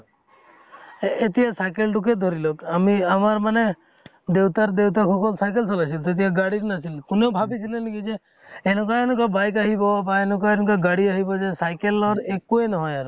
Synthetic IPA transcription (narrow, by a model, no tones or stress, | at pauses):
et̪iasajkelɖuk̬ed̪ʱɔɾilɔkamiamaɾmane | d̪ewt̪aɾd̪ewt̪akʰɔkɔlsajk̬elsɔlat͡ʃʰilt̪ɔet̪̬iaɡaɽiɾnat͡ʃʰilkunewbʱabit͡ʃʰilenikid͡ʒe | enɔkaenɔk̬abajkaɦibɔbaenɔkɔenɔ̃kaɡaɽiaɦibɔd͡ʒesajkelɔɾekuenɔɦɔjaɾ